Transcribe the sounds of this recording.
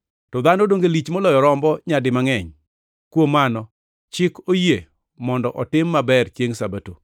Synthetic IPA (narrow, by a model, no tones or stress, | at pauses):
tɔd̪anodoŋɡelit͡ʃmɔlɔjɔɾɔmbɔɲadɪmaŋɛɲ | kwomːanɔ | t͡ʃɪkoje | mɔndɔʔɔtɪmːabɛrt͡ʃjeŋsabato̰